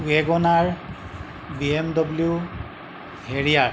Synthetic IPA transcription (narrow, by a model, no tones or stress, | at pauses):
uɛɡɔnaɹ | biemdɔbliju | heɹija